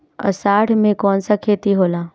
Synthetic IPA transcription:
ɐ̰saːɽmẽkɔːnsakʰeːt̪iɦoːlaː

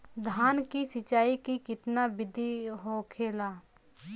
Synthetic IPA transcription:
d̪ʱaːnkisɪt͡ʃaːikikɪt̪nabɪd̪ʱiɦokʰeːlaː

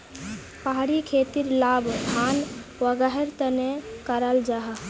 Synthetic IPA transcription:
paɦɾikʰet̪iɾlabkʰanʋəɡəɦəɾt̪ənekəɾəld͡ʒaɦ

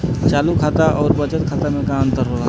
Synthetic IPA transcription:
t͡ʃaːlukʰat̪aʔɔːɾbət͡ʃət̪kʰaːt̪amekaə̃nt̪əɾɦola

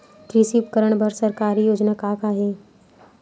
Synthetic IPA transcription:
t̪ɾiːsiʊpkəɾəɳ̃bʱəɾsɐɾkaːɾijoːd͡ʒnakaːkaɦeː

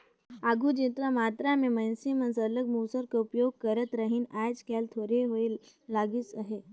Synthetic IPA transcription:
aɡʱud͡ʒit̪ɾamat̪ɾamẽmənsimə̃nsələɡmuːsəɾkaupjoɡ̚kəɾət̪ɾəɦinajd͡ʒkalt̪ʰoːɾeɦoe | laɡisaɦe

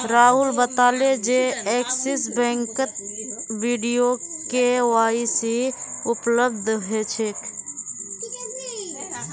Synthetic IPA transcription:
ɾaːɦulbət̪aːled͡ʒeeːksɪsbɛ̃ːŋkət̪biːɖijokewaːisiʊpləb̚d̪ʱɦet͡ʃʰeːk

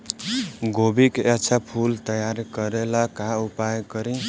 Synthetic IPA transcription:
ɡobiket͡ʃʰapʰult̪əjaɾkəɾelakaupajkəɾĩ

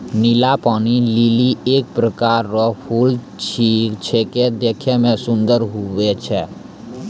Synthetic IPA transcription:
nɪlapaːnililieːk̚pɾəkaːɾːəpʰuːl | t͡ʃʰit͡ʃʰeked̪eːkʰemẽsʊ̃nd̪əɾɦuwet͡ʃʰɛː

